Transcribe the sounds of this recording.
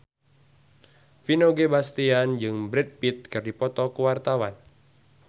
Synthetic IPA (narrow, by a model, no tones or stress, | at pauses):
finoɡebast̪iand͡ʒɨŋbɾɛt̪̚pit̪̚kɨrdipɔt̪ɔkuwart̪awan